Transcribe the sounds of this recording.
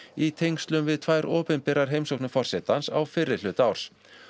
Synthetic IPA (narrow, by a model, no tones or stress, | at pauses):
it̪ʰejŋkst̪lʏmvɪðt̪ʰvaːjɾʔɔːpʏnpɛɾaɾ̥ɦejmsowknʏfɔr̥sɛt̪ansawfɪrːɪɾ̥lʏːt̪awr̥s